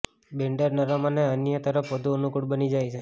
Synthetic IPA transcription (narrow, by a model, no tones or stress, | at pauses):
bẽɳɖəɾnəɾamaneənjət̪əɾəpʰʋəd̪ʱuənukuʈbənid͡ʒajt͡ʃʰe